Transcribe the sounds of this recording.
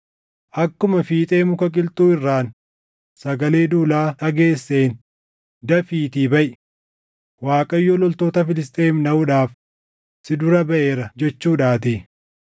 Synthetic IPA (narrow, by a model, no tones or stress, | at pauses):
ʔɐkːʊmɐfiːt̪ʼe̞ːmʊkɐkʼɪlt̪ʼuːɪrːaːn | sɐɡɐle̞ːd̪uːlaːᶑɐɡe̞ːsːe̞ːn | d̪ɐfiːt̪iːbɐʔɪ | waːkʼɐjːɔlɔlt̪o̞ːt̪ɐfɪlɪst̪ʼe̞ːmnɐʊᶑaːf | sɪd̪ʊɾɐbɐʔe̞ːɾɐd͡ʒɛt͡ʃːuːᶑaːt̪iː